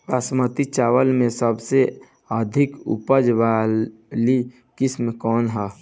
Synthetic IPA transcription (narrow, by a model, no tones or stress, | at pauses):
pasmət̪it͡ʃaːʋəlmẽsəbse | əd̪ʱɪkṵpəd͡ʒʋaː | li | kɪsmkɔːnɦɛː